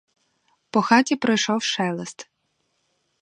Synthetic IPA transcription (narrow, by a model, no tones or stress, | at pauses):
pɔxɑtʲipɾɔjʃɔwʃɛlˠest̪